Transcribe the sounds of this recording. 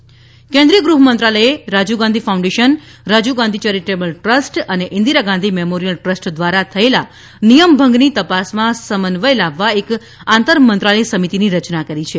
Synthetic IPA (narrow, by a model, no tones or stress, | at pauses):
kɛ̃nd̪ɾijəɡɾuɦmənt̪ɾaləjeɾad͡ʒuɡãnd̪ʱifaũɳɖeʃənɾad͡ʒuɡãnd̪ʱit͡ʃɛɾiʈebəlʈɾəsʈəneʔɪ̃nd̪iɾaɡãnd̪ʱimemoɾijəlʈɾəsʈd̪ʋaɾat̪ʰəela | nijəmbʱə̃ŋɡnit̪əpasmãsəmənʋəjlaʋːaek | ãnt̪əɾmənt̪ɾaləisəmit̪iniɾət͡ʃnakəɾit͡ʃʰe